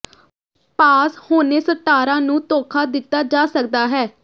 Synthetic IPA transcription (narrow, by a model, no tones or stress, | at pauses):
paːshoːneːsəʈːaːɾãːnũːt̪oːkʰaːd̪ɪt̪ːaːd͡ʒaːsək̚d̪aːɦɛː